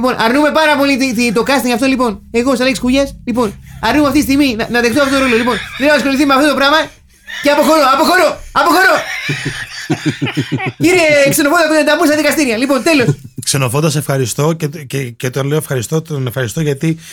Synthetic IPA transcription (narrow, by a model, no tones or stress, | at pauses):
po̞nʔɐɾnume̞pɐɾɐpo̞lit̪it̪it̪o̞kɐst̪iŋɡɐft̪olipo̞ne̞ɣo̞sɐlekskuʎɐslipo̞nɐɾnumeft̪ist̪iɣminɐnɐðext̪oft̪ot̪oɾo̞lolipo̞np̪ɾenɐðɐsko̞liθimeɐft̪ot̪opɾɐmɐ | ceɐpo̞xo̞ɾoɐpo̞xo̞ɾo̞ɐpo̞xo̞ɾo̞ | iɾekseno̞fonoend̪ɐmunst̪ɐðikɐst̪iɾiɐlipo̞nt̪e̞lo̞sksenofond̪ɐsefxɐɾist̪o̞cececet̪onleoefxɐɾist̪ot̪nefxɐɾist̪oʝɐt̪i